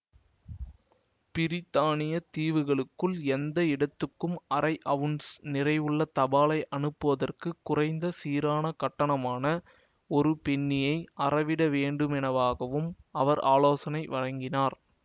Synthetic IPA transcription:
pɪɾɪt̪ːaːɳɪjɐt̪iːʋɯɣɐɭɯkːɯɭɛnd̪ɐɪɽɐt̪ːɯkːɯmɐrɐɪʔɐʋɯnsnɪrɐɪʋɯɭːɐt̪ɐbaːlɐɪʔɐnɯpːɯʋɐðɐrkɯkːʊrɐɪnd̪ɐsiːɾaːnɐkɐʈːɐɳɐmaːnɐ | ɔɾɯpɛɳːɪjɐɪʔɐrɐʋɪɽɐʋeːɳɖɯmɛnɐʋaːɣɐʋɯmɐʋɐɾʔa̰ːloːsɐnɐɪʋɐɻɐŋɡɪnaːɾ

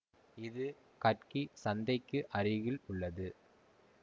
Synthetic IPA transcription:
ɪðɯ | kɐrkisɐnd̪ɐɪkːɯʔɐɾɪɣɪlʊɭːɐðɯ

